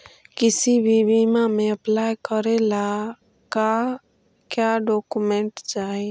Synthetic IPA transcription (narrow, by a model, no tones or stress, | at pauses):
kɪsibʱibimamẽəplaːjkəɾela | ka | kjaːɖɔːkumɛ̃ɳʈd͡ʒaːe